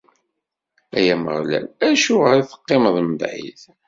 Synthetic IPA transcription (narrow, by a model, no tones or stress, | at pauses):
æjæmə̰ʁlæ̰læʃuʁəɾθə̥qːeməðˤməbʕḭθ